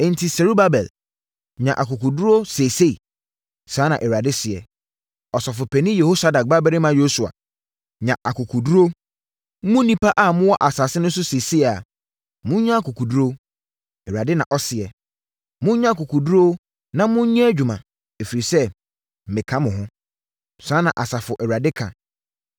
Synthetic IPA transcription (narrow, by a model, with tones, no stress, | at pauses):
ɛ̃˨n̩˨tʰi˨sɛ˨ɾu˦ba˦bɛ˨l | ɲã˨ʔa˨kʊ˨ku˨du˦ɾo˦se˨se˦i˨ | saː˨˦nã˨ʔɛ˨ɾa˨dɪ˦sɪ˨ɛ˨ | ɔ˨sɔ˨fʊ˨pʰɛ˨nĩ˦je˨ho˦sa˦da˨k̚ba˦bɛ˦ɾɪ˦mã˦jo˦su˨a̰˨ | ɲã˨ʔa˨kʊ˨kʰu˨du˦ɾo˦ | mʊ̃˦nĩ˦pa˦ʔa˦˨mʊ̃˦wɔ˦ʔa˨sa˨sɪ˦nʊ̃˦n̩˦s̬ʊ˦se˨se˦˨a˨ | mʊ̃˦ɲã˦a˦ku˨ku˨du˦ɾo˦ | ɛ˨a˨dɪ˦nã˨ʔɔ˦sɪ˨ɛ˨ | mʊ̃˦ɲã˦˨kʊ˨kʰu˨du˦ɾo˦ | nã˦mʊ̃˦ɲã˦æ˦d͡ʑᶣu˨mã˨ | e˨fi˨ɾi˨sɛ˦˨ | mɪ̃˨kʰã˦mʊ̃˨ɦʊ̃˦ | sã˦nã˨ʔa˨sa˨fʊ˨ʔɛ˨ɾa˨dɪ˦kʰã̰˨